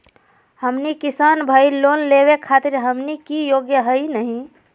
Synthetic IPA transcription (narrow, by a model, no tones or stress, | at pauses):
həmnikisanbʱailonleβekʰat̪iɾɦəmnikijoɡjəɦəinəɦĩ